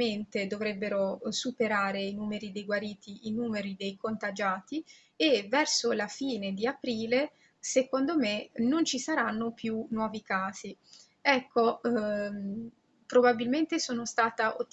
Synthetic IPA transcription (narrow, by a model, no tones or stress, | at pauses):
ent̪ed̪ovɾɛbːeɾosupeɾaːɾeinuːmeɾid̪ejɡwaɾiːt̪iʔinuːmeɾid̪ejkont̪ad͡ʒaːt̪i | evːɛrsolafiːned̪iapɾiːle | sekond̪omenont͡ʃisaɾanːopjunːwɔːvikaːz̥i | ɛkʰːo | pɾobabilment̪esoːnost̪aːt̪aʔot̪ː